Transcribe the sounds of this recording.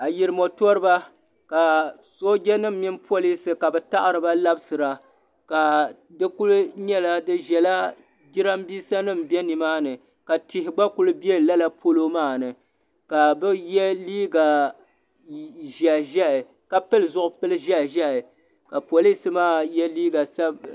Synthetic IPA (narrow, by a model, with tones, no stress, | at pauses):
a˨ji˨ɾɨ˦mo˨tɔ˦ɾɨ˦ba˦ | ka˨ | so˦ɡʲɛ˦nɨ˦m̩ːɪ˦mpʰo˦li˦sɨ˨ka˨bɛ˨ta˦ʔɨ˦˨ɾɨ˨ba˦la˦bsɨ˨ɾa˨ | ka˨ | dɨ˦ku˦lɲɛ˦la˦dɨ˦ʒɛ˨la˦ | ɡi˦ɾa˦mbi˦sa˦nɨ˦˨mbɛ˦ni˨maː˦nɨ˨ | ka˨ti˨ɦɪ˨ɡ͡ba˦ku˦lɨ˦bɛ˦˨la˦la˦pʰo˦lo˦maː˦˨nɨ˨ | ka˨bɨ˦jɛ˦liː˦ɡa˨ | ʒɛ˨ʔʒɛ˦ʔɨ˨ | ka˨pɨ˦lɨ˨zʊ˦ʔʊ˦pɨ˦lɨ˦ʒɛ˦ʔʒɛ˦ʔɪ˨ | ka˨po˨li˦sɨ˨maː˦˨jɛ˦liː˦ɡa˨sa˦b